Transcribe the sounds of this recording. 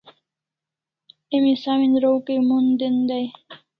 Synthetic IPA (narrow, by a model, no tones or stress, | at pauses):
imisaminɾowkemund̪end̪aj